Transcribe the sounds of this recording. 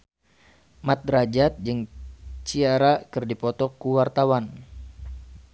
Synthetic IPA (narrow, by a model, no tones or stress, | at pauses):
mat̪̚ɾad͡ʒat̪̚d͡ʒɨŋt͡ʃiaɾakɨrdipɔt̪ɔkuwart̪awan